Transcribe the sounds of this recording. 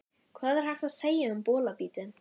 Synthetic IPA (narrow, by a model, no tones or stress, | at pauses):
kʰvaːðɛɾhaxt̪aðseːjaʏmpɔːlapiːt̪ɪn